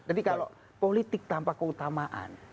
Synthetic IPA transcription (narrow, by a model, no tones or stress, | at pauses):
d͡ʒad̪ikalo | polit̪ɪk̚t̪ampakəut̪amaʔa̰n